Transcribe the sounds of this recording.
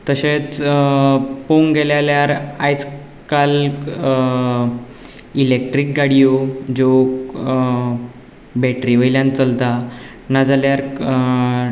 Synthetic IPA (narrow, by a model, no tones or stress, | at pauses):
t̪əɕet͡s | poŋɡeljaljaɾajt͡s | kal | ilek̚ʈɾik̚ɡaɽijod͡ʑo | bɛʈɾiʋəjljãnt͡səlt̪a | nad͡zaljaɾ